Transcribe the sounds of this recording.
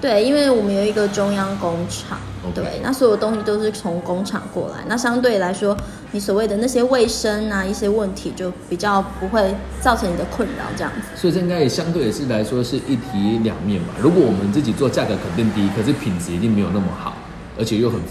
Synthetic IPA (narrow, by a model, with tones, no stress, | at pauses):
t̪we˥˩ɪi˦nwe˥˩ɪwɔ˨˩mə˦njo˨˩ʊi˧˥ɡə˨ʈ͡ʂʊ˥ŋjɑ˥ŋkʊ˦˥ŋʈ͡ʂʰɑ̰˨˩˦ŋ˧t̪wḛ˥˨˩ɪna˥˩swɔ˧˦˥jo˨˩t̪o˥ŋɕi˧˥˩t͡ɕjo˥˧ʊʂɻ̩˥˩t͡sʰo˧˦˥ŋkʊ˥ŋʈ͡ʂʰɑ̰˨˩ŋkwɔ̰˥˩la̰˧˦ɪna˥˩ɕjɑ˥ŋt̪̬we˥˩ɪla˧˥ɪʂwɔ˥ | ni˨˥s̬wɔ˨˩we˥˩ɪd̪ə˩na˥˩ɕjɛ˥we˥˩ɪʂə˦˥na˨i˥˩ɕjɛ˥wə˥˩nt̪ʰi˧˥t͡ɕjo˥˩ʊpi˨˩t͡ɕjɑ˥˩ʊpu˧˥xwe˥˩ɪ | t͡sɑ˥˩ʊʈ͡ʂʰɤ˧˦ŋni˨˩d̪ə˦kʰwə˥˨nɻɑ̰˨˧˦ʊʈ͡ʂɤ˥˧jɑ̰˥˩ŋd͡z̩˨swɔ˧˥i˨˩ʈ͡ʂə˥ĩ˥ŋɡa˥ɪ˨˩ɕjɑ˥˦ŋt̪we˥˩ɪ˨˩ʂɻ̩˥˩la˧˦ɪʂwɔ˥ʂɻ̩˥˧ʔi˥˩t̪ʰi˧˥ljɑ̰˨˩ŋmjɛ˥˩nba̰˨˩ɻu˧˥kwɔ˨˩wɔ˨˩mə˦nt͡sɹ̩˥˩t͡ɕi˨˩t͡swɔ˥˧t͡ɕja˥˩ɡɤ˧˦kʰə˨˩nt̪i˥˩ŋt̪i˥kʰə˨˩ʂɻ̩˥˩pʰi˨˩nd͡zɹ̩˨˧i˧˥t̪i˥˩ŋme˧˥jo˨˩na˥˩mə̰˨˩xɑ̰˨˩˦ʊ | ə̰˧˥t͡ɕʰjɛ˨˩jo˧ʊxə˨˩n